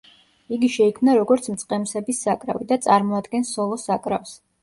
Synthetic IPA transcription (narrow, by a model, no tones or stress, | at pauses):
iɡiʃɛikʰmnaɾɔɡɔɾt̪sʰmt̪sʼqʼɛmsɛbisːakʼɾa̰vid̪at̪sʼaɾmɔad̪ɡɛnsɔlˠɔsakʼɾafs